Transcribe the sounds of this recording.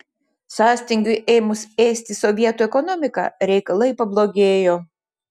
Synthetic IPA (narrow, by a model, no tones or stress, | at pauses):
sɑːsʲt̪ʲɪŋʲɡʲʊɪʔɛːmʊsʲeːsʲt̪ʲɪsɔʋʲiɛt̪uɛkɔnɔmʲɪkɑ̰ːɾʲɛɪkɐlˠɐɪpɐblˠoːɡʲeːjoː